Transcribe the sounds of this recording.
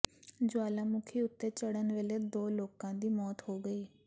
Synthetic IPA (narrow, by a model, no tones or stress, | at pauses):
d͡ʒʊaːlaːmʊkʰiːʊt̪ːeːt͡ʃəɽənʋeːleːd̪oːloːkãːd̪iːmɔːt̪hoːɡəiː